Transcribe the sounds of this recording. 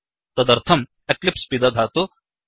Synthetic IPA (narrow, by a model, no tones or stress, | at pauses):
t̪ɐd̪ɐɾt̪ʰɐm | eklɪpspid̪ad̪ʱat̪o